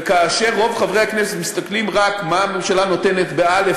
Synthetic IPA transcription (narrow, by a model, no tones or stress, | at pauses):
kaːʃe̞ʁːo̞vχavʁehakneset̪mist̪aklimʁakmamemʃalano̞te̞ne̞t̪beale